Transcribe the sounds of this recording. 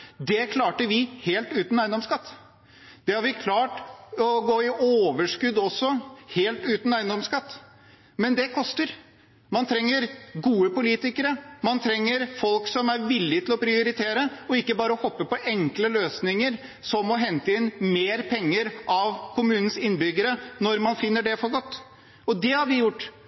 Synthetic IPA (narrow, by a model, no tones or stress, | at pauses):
d̪ɛkʰlɑːʈəʋɪheːlt̪ʉːt̪n̩æɪənd̪ɔmskɑt̪ː | d̪̥ɛhɑɾʋɪkʰlɑːʈɔɡoːɪʔoːʋəʂkʉd̪ɔsːɔheːlt̪ʉːt̪n̩æɪənd̪ɔmskɑt̪ː | mɛnd̪ɛkʰɔst̪əɾ | mɑnt̪ʰɾɛŋːəɾɡuːəpʊliːt̪ɪkəɾəmɑnt̪ʰɾɛŋːəɾfɔlksɔmæɾʋɪlːɪt̪ɪlɔpʰɾɪʊɾɪt̪ʰeːɾəɔɪkːəbɑːɾəɔhɔpːəpɔʔɛŋkləløːsnɪŋəɾ | sɔmɔɦɛnt̪əɪnmeːɾpʰɛŋːəɾʔɑʋkʰʊmʉːnn̩sɪnːbʏɡəɾənɔɾmɑnfɪnːəɖɛfɔɾɡɔt̪ː | ɔd̪ɛhɑɾʋɪjʊʈː